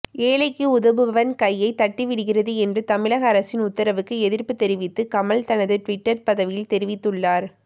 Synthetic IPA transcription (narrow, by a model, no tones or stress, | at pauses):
eːlɐɪkːɯʊðɐʋɯʋɐʋɐnkɐjːɐɪt̪ːɐʈːiʋɪɽɯɣɪrɐðɯɛndrɯt̪ɐmɪɭɐɣɐːɾɐsɪnʊt̪ːɐɾɐʋɯkːɯɛðɪɾpːɯt̪ɛɾɪʋɪt̪ːɯkɐmɐɭt̪ɐnɐðɯʈʋɪʈːɐɾpɐðɐʋɪjɪlt̪ɛɾɪʋɪt̪ːɯɭːaːɾ